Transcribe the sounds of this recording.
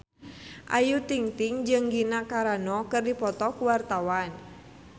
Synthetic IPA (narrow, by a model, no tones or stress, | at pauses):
ʔajut̪iŋt̪ɪŋd͡ʒɨŋɡinakaɾanɔkərdipɔt̪ɔkuwart̪awan